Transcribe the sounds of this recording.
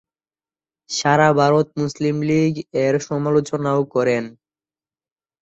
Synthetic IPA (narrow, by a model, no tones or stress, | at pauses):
ʃaɾabʱaɾot̪̚muslimliɡeɾʃɔmalot͡ɕonaokɔɾen